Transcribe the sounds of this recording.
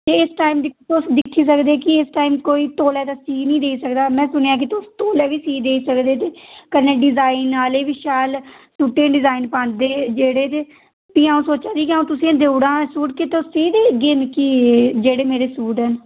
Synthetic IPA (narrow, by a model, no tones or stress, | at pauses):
d͡ʒ̪eːɪsʈaːimd̪it̪ʊsd̪ɪkʰːiːs̬əkd̪eːkɪɪsʈaːiːmkoːiːt̪oːlɛːd̪aːsiːnĩːd̪eːisəkd̪aːmɛ̃ːsʊnejaːk̬ɪt̪ʊst̪oːlɛːʋiːsiːd̪eːisəkd̪eːt̪eːkəɾneːɖɪzaːinaːleːʋɪʃaːlsuːʈːẽːɖɪzaːinpãːnd̪eːd͡ʒeːɽeːt̪eː | piːãːũsoːt͡ʃaːd͡ʒ̪iːkiãũt̪ʊsĩːãd̪euɽãːsuːʈket̪oseːd̪eːɡeːmkiːd͡ʒeːɽeːmeːɾeːsuːɖn